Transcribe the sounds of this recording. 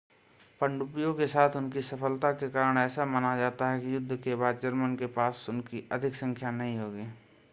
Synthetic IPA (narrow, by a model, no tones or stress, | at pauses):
pəɳɖʊpijõkesaːt̪ʰʊnkisəpʰəlt̪akekaːɾəɽ̃ɛːsamənad͡ʒaːt̪aɦɛkijʊd̪ʱːkebaːd̪̚d͡ʒəɾmənkepaːsʊnkiəd̪ʱɪksə̃ŋkʰjanɐɦĩɦoːɡiː